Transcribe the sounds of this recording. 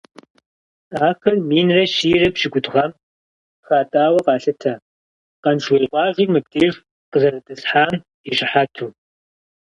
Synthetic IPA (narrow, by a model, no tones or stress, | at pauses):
aːxɐrmiːnrɐʃiːrɐpʃɪɡʷʼʊtʼʁɐm | xaːtʼaːwɐqɑːɬɐtʰaː | qɐnʃweːqʷɑːʒʷimɨp̚tʼeːʒ | qəzɐrɐtʼɐsħaːm | iɕʼɪħaːtʰuː